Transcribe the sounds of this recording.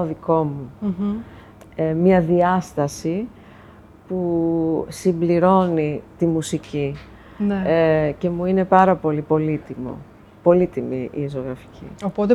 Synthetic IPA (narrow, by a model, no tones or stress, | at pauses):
oðiko̞mu | emɲɐðiɐst̪ɐsi | pu | simbliɾo̞nit̪imusici | neece̞muine̞pɐɾɐpo̞lipo̞lit̪imo̞̰ | po̞lit̪imiʔḭso̞ɣɾɐfi̥cḭopot̪e